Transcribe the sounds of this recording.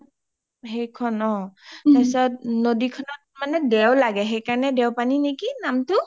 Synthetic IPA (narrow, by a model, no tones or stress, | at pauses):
ɦejkʰɔnɔ̃tajsɔtnodikʰɔnɔt̚manɛdɛwlaɡɛɦejkaɹɔnɛdɛwpaninekinamtʊ